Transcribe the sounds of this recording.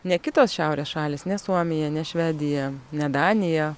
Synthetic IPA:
nʲɛkʲɪt̪oːsʃʲɛʊɾʲeːsʃɑːlʲeːsnʲɛsuɔmʲɪjɛnʲɛʃʲʋʲɛːd̪ʲɪjɛnʲɛd̪ɑːnʲɪjɛ

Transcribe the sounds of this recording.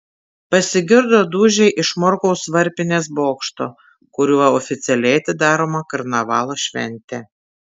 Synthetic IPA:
pɐsʲɪɡʲɪɾd̪oːd̪uːʒʲɛɪʔɪʃmɔɾkoʊsʋɐɾʲpʲɪnʲeːsboːkʃt̪o̰ː | kʊɾʲuːʋɐɔfʲɪt̪sʲɪɛlʲɛːt̪ʲɪd̪ɑːɾoːmɐkɐɾnɐʋɑːlˠoːʃʲʋʲɛ̰nʲt̪ʲɛ

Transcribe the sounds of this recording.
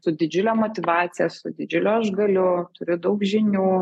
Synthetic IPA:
sʊd̪ʲɪd͡ʒʲʊlʲɛmoːt̪ʲɪʋɑːt̪sʲɪjɛsʊ̰d̪ʲɪd͡ʒʲʊlʲoɐʒɡɐlʲʊt̪ʊɾʲʊd̪ɐʊkʒʲɪnʲuː

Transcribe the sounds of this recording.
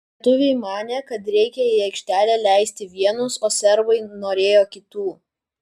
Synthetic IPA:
t̪ʊʋʲɛɪmɑːnʲeːkɐt̪ɾʲɛɪkʲɛiɐɪkʃʲt̪ʲæːlʲeːlʲæɪsʲt̪ʲɪʋʲiɛnʊsoːsʲɛɾbɐɪnoːɾʲeːjoːkʲɪt̪uː

